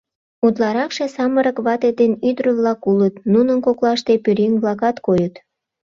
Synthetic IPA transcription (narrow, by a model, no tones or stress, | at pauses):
ut̪lɑɾɑkʃesɑməɾəkβɑt̪ed̪enyd̪ɾəβlɑkulət̪nunənkoklɑʃt̪epyɾiŋβlɑkɑt̪kojət̪